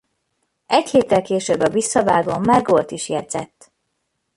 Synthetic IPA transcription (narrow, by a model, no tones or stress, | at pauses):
ɛcheːt̪ːɛlkeːʃøbːɒvisːɒvaːɡoːmmːɛɡo̞lt̪iʃjɛd̪z̥ɛ̰t̪ː